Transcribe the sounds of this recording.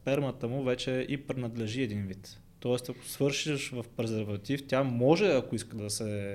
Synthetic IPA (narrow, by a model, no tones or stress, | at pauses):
pɛɾmət̪əmʊvɛt͡ʃɛʔipɾɛnɐd̪lɛʒiɛd̪invit̪ː | ɔɛst̪ɐkʊ̥svɤɾʃiʃvɐfpɛɾzɛɾvɐt̪ift̪ʲjamɔʒɛɐkʊiskəd̪ɐsɛ